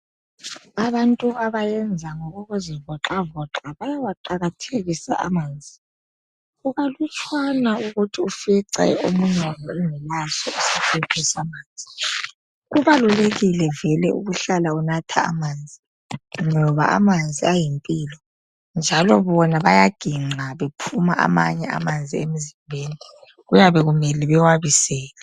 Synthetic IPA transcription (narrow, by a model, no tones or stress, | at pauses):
aβantʼuɣaβajɛnd͡zʱaŋɔɣɔɣuzivɔǁavɔǁaβajawaǃaɣatʰeɣisa̰ʔa̰maːnd͡zʱi | uɣalut͡ʃʼʰwanauɣutʰiufiǀɛ̰omuɲɛwajɔɛŋɛlasɔusifʰetʰɛsamaːnd͡zʱi | ɣuβaluleɣilɛvɛlɛʔṵɣuɬalaunatʰa̰ːmaːnd͡zʱi | ŋɔβa̰ʔa̰mand͡zʱiajimpʼiːlɔ | nd͡ʒʱalɔβɔnaβajaɡ̥ʱiŋ͡ǀaβepʰumaʔa̰ma̰ɲɛa̰mand͡zʱiemizimbʱeːni | ɣujaβɛɣumɛliβɛwaβisɛːla